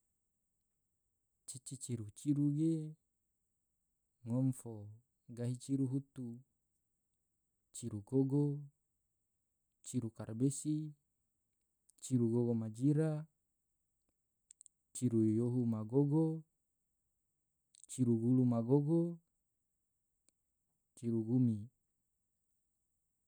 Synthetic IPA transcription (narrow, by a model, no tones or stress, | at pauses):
t͡ʃit͡ʃit͡ʃiɾut͡ʃiɾuɡe | ŋomfo | ɡaɦit͡ʃiɾuɦut̪u | t͡ʃiɾuɡoɡo | t͡ʃiɾukarbesi | t͡ʃiɾuɡoɡomad͡ʒiɾa | t͡ʃiɾujoɦumaɡoɡo | t͡ʃiɾuɡulumaɡoɡo | t͡ʃiɾuɡumi